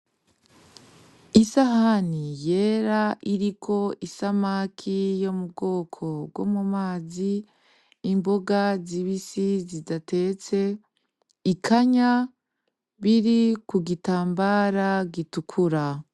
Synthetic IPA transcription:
isahanije̞ɾaʔiɾikʰo̞isamakʰijo̞mubɡo̞ːkʰo̞bɡwo̞̰mumaːziː | mbo̞ɡaziβisizidate̞t͡se̞ | ikʰaɲa | βiɾikuɡitaːmbaɾaɡitukʰuɾa

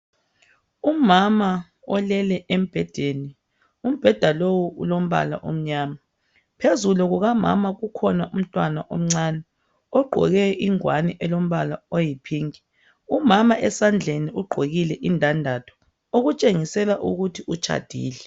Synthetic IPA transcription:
umama | ɔlɛlɛʔem̩b̥ʱɛd̥ʱeni | um̩b̥ʱɛd̥ʱalowuṵlom̩βa̰la̰ʔo̰m̩ɲaːma | pʰezuluɣuɣama̰maɣukʰɔnaʔum̩tʼwanaʔo̰m̩ŋ͡ǀanɛ | ɔɡ͡ǃʱɔ̰ɣɛʔiŋwanɛʔɛlom̩βalaojipʰiːŋi | umamaʔɛsand͡ɮʱeniuɡ͡ǃʱoɣilɛʔindʱandʱatʰɔ̥ | oɣut͡ʃʼeŋisɛlaʔuɣutʰiʔut͡ʃʰʼa̰d̥ʱḭːlɛ

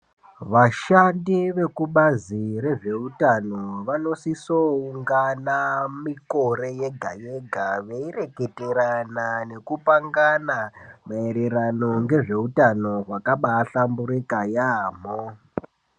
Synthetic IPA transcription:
ʋaʃandiʋe̞kuɓaziɾe̞ʐe̞utano̞ʋano̞sisouŋɡanamiko̞ɾe̞jeɡʱaje̞ɡʱaʋeire̞ke̞teɾanane̞kupaŋɡanamaeɾeɾano̞ŋɡe̞ʐe̞utano̞ɦwakaɓaːɬambuɾikajaːm̤o

